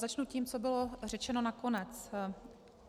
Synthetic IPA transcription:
zat͡ʃnuciːmt͡sobɪlor̝ɛt͡ʃɛno̞nako̞nɛt͡s

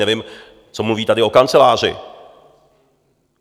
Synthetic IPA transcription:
ɛvɪm | t͡somluviːt̪adɪo̞kant͡sɛlaːr̝ɪ̰

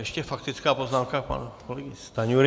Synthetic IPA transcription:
ɛʃcɛfakt̪ɪt͡skaːpoznaːmkapa̰nkolɛɡɪst̪aɲuɾ

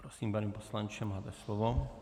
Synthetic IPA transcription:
pɾosiːmpaniːposlant͡ʃɛmaːt̪ɛslovo

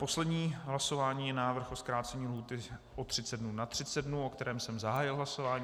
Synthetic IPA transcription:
po̞slɛdɲiːɦlaso̞vaːɲiːjɛnaːvr̩xoskɾaːt͡sɛɲiːlɦuːt̪ɪʔot̪r̝̥ɪt͡sɛdnunat̪r̝̥ɪt͡sɛdnuʔo̞kt̪ɛɾɛːmsɛmzaɦaːjɪlɦlaso̞vaːɲː

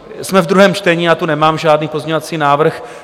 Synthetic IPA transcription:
smɛvd̪ɾuɦɛːmt͡ʃt̪ɛɲiːat̪unɛmaːmʒaːdniːpo̞zmɲɲovat͡siːnaːvr̩x

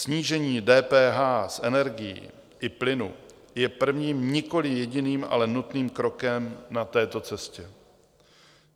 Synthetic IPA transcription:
sɲiːʒɛɲiːdɛːpɛːɦaːsʔɛnɛɾɡɪjḭː | ʔɪplɪnṵ | jɛpr̩vɲiːmɲɪko̞lɪjɛɟɪniːmʔa̰lɛnut̪niːmkɾo̞kɛmnat̪ɛːt̪o̞t͡sɛscɛ

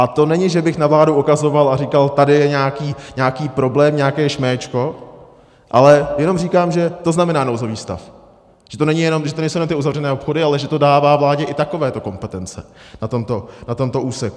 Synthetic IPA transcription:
ʔat̪o̞nɛɲɪʒɛbɪxnavlaːdoʔukazo̞valaɾikalt̪adɪjɛɲaːkiːɲaːkiːpɾo̞blɛːmɲaːkɛːʃmɛːt͡ʃko̞ | ʔalɛjɛno̞mriːkaːmʒɛt̪o̞znamɛnaːnowzoviːst̪a̰f | ʒ̥ɛt̪o̞nɛɲɪjɛno̞mʒɛt̪onɛɲsowjɛnomt̪ɪʔuzavrɛnɛːopxo̞dɪalɛʒɛt̪o̞daːvaːvlaːɟɛʔɪt̪ako̞vɛːt̪o̞ko̞mpɛt̪ɛnt͡sɛ̰nat̪o̞mt̪o̞nat̪o̞mt̪o̞ʔuːsɛk

